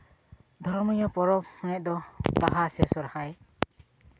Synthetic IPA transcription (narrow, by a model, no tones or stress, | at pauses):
d̪ʱɔɾmɔjɔpɔɾɔp̚hɔnɛʔ̚d̪ɔbaɦasɛsɔɾahaj